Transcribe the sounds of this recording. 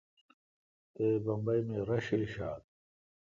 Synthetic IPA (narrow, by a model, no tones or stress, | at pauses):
t̪eːbɐmbɐjmeːɾɐɕiliɕaːt̪̚